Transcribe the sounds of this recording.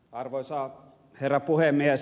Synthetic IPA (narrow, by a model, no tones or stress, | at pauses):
ɑrʋosɑ | herːɑpuhemːiæs